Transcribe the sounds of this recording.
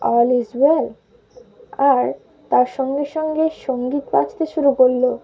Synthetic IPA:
ɔlizwel | aɾ | t̪aɾʃɔŋɡeɾʃɔŋɡeʃoŋɡit̪pa̰t͡ɕʰt̪eʃuɾukoɾːo

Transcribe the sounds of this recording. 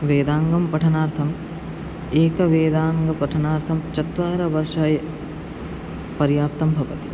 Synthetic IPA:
ʋeːd̪aːŋɡɐmpɐʈʰɐnaːɾt̪ʰɐm | eːkɐʋeːd̪aːŋɡɐpɐʈʰɐnaːɾt̪ʰɐmt͡ʃɐt̪ʋaːɾɐʋɐɾʂaːjɐ | pɐɾjaːp̚t̪ɐmbʱɐʋɐt̪i̥

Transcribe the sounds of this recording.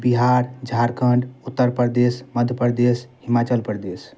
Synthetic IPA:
biɦaɾd͡ʒʱaɾkʰəɳɖut̪ːəɾpəɾd̪esməd̪ʱjəpəɾd̪eshimat͡ʃəlpəɾd̪es

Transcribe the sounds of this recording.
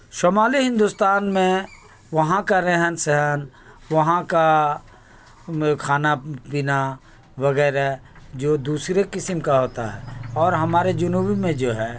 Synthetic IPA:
ʃoːmaːliɦɪ̃nd̪ust̪aːnmẽ | ʋɐɦãkaɾɛɦənsɛɦən | ʋɐɦãka | kʰaːnapiːna | ʋɐɣɛːɾad͡ʒoːd̪uːsɾekɪsəmkaɦoːt̪aɦɛ̰ːɔːɾɦɐmaːɾed͡ʒɐnuːbimẽd͡ʒoːɦɛː

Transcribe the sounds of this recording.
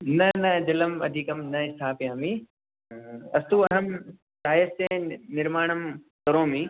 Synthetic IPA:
nɐnɐd͡ʑɐləmɐ̰d̪ʱiːkɐmnɐɪst̪ʰaːpijãːmiː | ɐst̪uːɐɦəm | saːjəst̪ẽnɪɾmaːɳ̃əm | t̪ɐɾõːmĩ

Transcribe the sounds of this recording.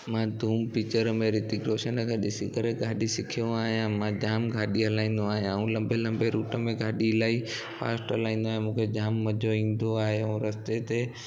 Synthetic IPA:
mãːd̪ʱuːmpɪt͡ɕəɾmẽɾɪt̪ikɾoːʃənəɡʰaɗɪsikəɾeɡʱaːɗisɪkʰijõaːɦjãmãd͡ʑaːmɡʱaːɗiɦɐlaːĩːn̆d̪oaːɦjãaũlɐ̃mbelɐ̃mbeɾuːʈəmẽɡʱaːɗilaːi | fa̰ːsʈɦɐlaːĩːnd̪oaːɦemũːkʰed͡ʑaːmːɐd͡ʒʱoĩːn̆d̪oaːɦeũɾɐst̪et̪e

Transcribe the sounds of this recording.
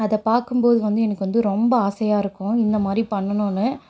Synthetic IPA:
ɐðɐpaːɾkɯmboːðɯʋɐnd̪ɯɛnɐkːɯʋɐnd̪ɯɾɔmbɐɐsɐjaːɪɾɯkːʊ̃ɪnd̪ɐmaːd̪ɾipɐɳːɐnʊ̃nːɯ

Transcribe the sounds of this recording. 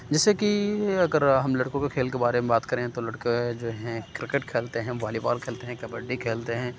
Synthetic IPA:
d͡ʒɛːsekiɐɡəɾɦɐmlɐɽkõkekʰeːlkebaːɾemẽbaːt̪kɐɾẽt̪olɐɽked͡ʒoːɦɛ̃kɾɪkeʈkʰeːlt̪eɦɛ̃ːʋaːlipa̰ːlkʰeːlt̪eɦɛ̃kɐbəɖːikʰeːlt̪eɦɛ̃ː

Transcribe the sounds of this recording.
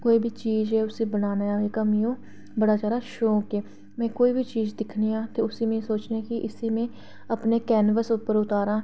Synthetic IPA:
koːiːbʱiːt͡ʃiːzɛːʊsĩːbənaːneːaːʋeːkəmiːõː | bəɽaːd͡ʒjaːd̪aːʃoːkeː | mɛ̃ːkoːiːbʱiːt͡ʃiːzd̪ɪkʰniːãːt̪eːʊsiːmẽːsoːt͡ʃneːkɪʔɪsiːmẽː | əpneːkɛːnʋəsʊpːəɾʊt̪aːɾãː

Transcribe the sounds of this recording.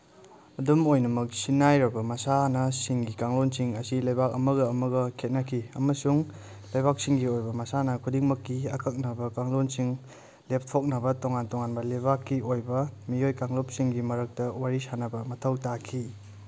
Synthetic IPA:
ɐdumojnɐmɐk̚sinːajɾɐbɐmɐsanɐsiŋɡikaŋlonsiŋɐsilɐjbak̚ɐmɐɡɐːmɐɡɐkʰet̚nɐkʰiɐ̰mɐsuŋ | lɐjbak̚siŋɡiojbɐmɐsanɐkʰudiŋmɐkːiɐkʰɐk̚nɐbɐkaŋlonsiŋ | lep̚ʰtʰok̚nɐbɐtoŋantoŋanbɐlebakːiojbɐmijojkaŋlop̚siŋɡimɐɾɐk̚tɐwaɾisanɐbɐmɐtʰɐwtakʰi

